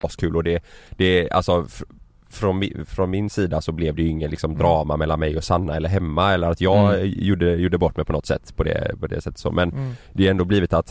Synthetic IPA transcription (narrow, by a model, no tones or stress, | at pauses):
skʰʉ̟ːlɔd̪ɛd̪̥ɛa̰lsɔ | fɾɔnmɪfɾɔnmɪnsiːd̪asɔblɛvd̪ɛjɪŋːənlɪksɔmd̪ɾɑːmamɛlːanmɛjɔsanːaɛlːəɾɦɛmːaɛlːəɾat̪jɑːɡjuːɖːəjuːɖːəbɔʈːmɛjpʰɔnɔt̪sɛ̰t̪ːpʰɔd̪ɛ̰pʰɔd̪ɛ̰sɛt̪ːət̪sɔ̰ːmɛnd̪ɛɛnd̪oːbliːvɪt̪at̪